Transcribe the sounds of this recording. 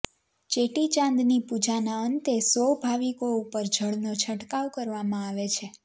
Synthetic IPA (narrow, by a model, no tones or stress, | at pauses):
t͡ʃeʈit͡ʃãnd̪nipud͡ʒanaənt̪esʋəwbʱaʋikoupəɾd͡ʒʱəɭnot͡ʃʰəʈkawkəɾʋamãaʋet͡ʃʰe